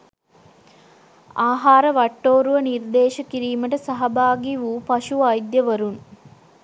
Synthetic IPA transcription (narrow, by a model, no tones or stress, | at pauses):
aːɦaːɾəʋɐʈːoːɾuʋənird̪eːʃɐkiɾiːməʈəsɐɦɐbaːɡiʋuːpɐʃuʋɐjd̪jəʋɐɾun